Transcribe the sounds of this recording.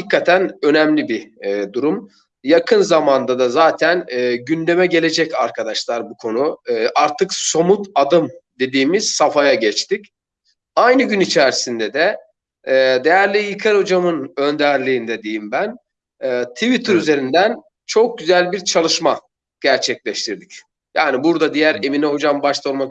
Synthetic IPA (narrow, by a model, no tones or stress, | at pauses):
d̪ikʰːat̪ʰænø̞nɛmlʲibid̪uɾum | jakʰɯnzamand̪ad̪azaːt̪ʰænːɟynd̪e̞mɛɟe̞lʲe̞d͡ʒɛcaɾkʰad̪aʃlˠaɾbukʰo̞nuʔaɾt̪ʰɯkso̞mut̪ad̪ɯmd̪e̞d̪iːmiz̥safajaɟɛt͡ʃt̪ic | ajnɯɟynit͡ʃʰæɾsind̪ɛd̪ɛː | d̪e̞jæɾlʲijɯkʰaɾod͡ʒamɯnø̞nd̪æɾlʲiːnd̪ɛd̪ejimbænː | t̪ʰivit̪ʰɯɾyze̞ɾind̪æn | t͡ʃʰo̞k̚ɟyzælʲbiɾt͡ʃʰalˠɯʃma | ɟ̥æɾt͡ʃʰɛclʲɛʃt̪ʰiɾd̪ic | jaːnibuɾd̪ad̪ijæɾe̞minɛɦo̞d͡ʒambaʃt̪ʰˠolˠma